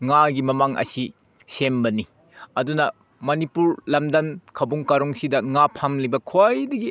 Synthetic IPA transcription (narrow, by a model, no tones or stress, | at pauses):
ŋaɡimɐmaŋʔɐ̰si | sembɐni | ɐdunɐ | mɐnipuɾlɐmdɐmkʰɐbuŋkaɾoŋsidɐŋapʰamlibɐkʰoajdɐɡi